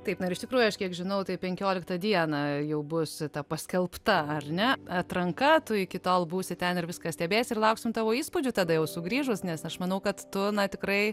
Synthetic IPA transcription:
t̪ɐɪpnɐɪɾɪʃʲt̪ʲɪkɾuːjʊɐʃkʲiɛkʒʲɪnɐʊt̪ɐɪpʲɛŋʲkʲoːlʲɪkt̪ɐd̪ʲiɛnɐjɛʊbʊst̪ɐpɐsʲkʲɛlˠpt̪ɐɐrnʲɛɐt̪ɾɐŋkɐt̪ʊɪkʲɪt̪oːlˠbuːsʲɪt̪ʲɛnɪɾʋʲɪskɐsʲt̪ʲɛːbʲeːsʲɪrlˠɐʊksʲɪmt̪ɑːʋoːiːspʊd͡ʒʲʊt̪ɑːd̪ɐjɛʊsʊɡɾʲiːʒʊsnʲɛsɐʃmɐnɐʊkɐt̪tʊnɐt̪ʲɪkɾɐɪ

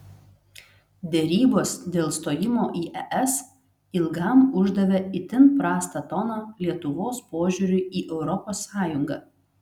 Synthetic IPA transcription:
d̪ʲɛɾʲiːboːsd̪ʲeːlˠst̪oːjɪmoːʔiːʔɛʔɛs | ɪlˠɡɐˑmʊʒd̪ɐʋʲɛɪt̪ʲɪnpɾɑːst̪ɐt̪ɔnolʲiɛt̪ʊʋoːspoːʒʲʊɾʲʊʔiːʔɛʊɾɔpoːsːɑːjʊŋɡɑː

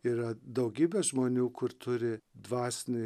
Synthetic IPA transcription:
iːɾɐd̪ɐʊɡʲiːbʲɛʒmoːnʲuːkʊɾt̪ʊɾʲɪd̪ʋɑːsʲnʲɪ

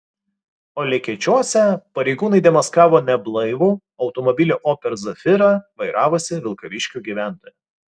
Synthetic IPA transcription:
oːlʲɛkʲɛt͡ʃʲuɔsʲɛpɐɾʲɛɪɡuːnɐɪd̪ʲɛmɐskɑːʋoːnʲɛblˠɐɪʋuː | ɒʊt̪ɔmɔbʲɪlʲuːʔoːpʲɛɾzɐfʲɪɾɐʋɐɪɾʔɑːʋosʲɪʋʲɪlˠkɐʋʲɪʃʲkʲuːɡʲiʋʲæˑnt̪oːjɛ

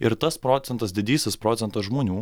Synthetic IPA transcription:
ɪɾt̪ɐspɾoːt̪sʲɛnt̪ɐsd̪ʲɪd̪ʲiːsʲɪspɾɔːt̪sʲɛnt̪ɐsʒmoːnʲuː

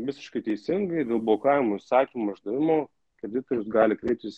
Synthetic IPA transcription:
ʋʲɪsʲɪ̥ʃkɐɪt̪ʲɛɪsʲɪŋɡɐɪd̪ʲeːlˠbʊoːkɐɪʋɪmoɪsɑːkʲimoɐʒd̪ɐʋʲɪmoː | kɾʲɛd̪ʲɪt̪oːɾʲʊsɡɑːlʲɪkɾʲɛɪp̚t̪ʲɪs

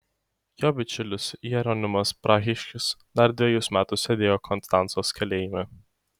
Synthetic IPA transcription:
joːbʲɪt͡ʃʲʊlʲʊsijɛɾɔnʲɪmɐspɾɑːɣʲɪʃʲkʲɪsd̪ɐɾd̪ʲʋʲɛjʊsmʲæːt̪ʊsːʲɛd̪ʲeːjoːkʰɔnst̪ɑnt̪soːskʲɛlʲeːjɪmʲɛ

